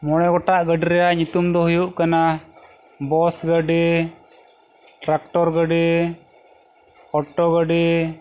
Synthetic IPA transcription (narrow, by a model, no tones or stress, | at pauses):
mɔɽɛɡɔʈaʔɡəɖiɾɛjaɲut̪umd̪ɔhujuʔkana | bɔsɡəɖɛ | ʈɾak̚ʈɔɾɡəɖɛ | ɔʈːɔɡəɖi